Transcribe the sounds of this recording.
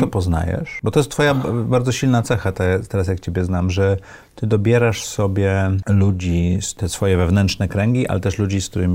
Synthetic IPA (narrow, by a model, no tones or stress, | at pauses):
t̪ɔpɔzna̰jɛ̰ʂbɔt̪ɔjɛst̪fɔjabaɾd̪zɔɕilnat̪sɛxat̪at̪ɛɾas̬jakt͡ɕebʲjɛznamʐɛ | t̪ɘd̪ɔbʲjɛɾaʂsɔbʲjɛlud͡ʑist̪ɛsfɔjɛvɛvnɛnt̪ʂnɛkɾɛŋɡʲiʔa̰lɛt̪ɛʂlud͡ʑisk̚t̪uɾɘmʲi